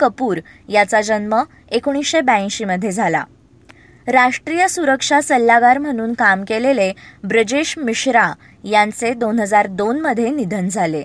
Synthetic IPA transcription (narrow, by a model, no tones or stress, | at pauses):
kəpuːɾjat͡sad͡ʑənmə | ekoɳ̃isɕebaĩɕiməd̪ʱːjed͡zʱala̰ | ɾaʂʈɾijəsuɾəkʂasəlːaɡaɾm̤əɽ̃uːnkamkelelebɾəd͡ʑeɕmiɕɾa | jãnt͡sed̪onɦəd͡zaɾd̪onməd̪ʱjenid̪ʱənd͡zʱale